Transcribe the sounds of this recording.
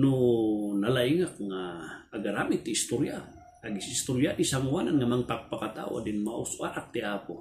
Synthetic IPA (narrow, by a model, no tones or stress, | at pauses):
nunalaiŋak̚ŋaːɡaɾamit̪ːiːst̪uɾja | aɡisist̪uɾjadisamuananŋamaŋt̪ak̚pakat̪a̰w̰a̰dinmaʔusuʔaʔak̚t̪iapu